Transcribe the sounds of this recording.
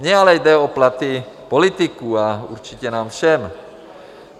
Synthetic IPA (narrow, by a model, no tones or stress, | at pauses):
ɲɛalɛjd̪ɛɔplat̪i | pɔlit̪ikuaṵɾt͡ʃicɛnaːmfʃɛm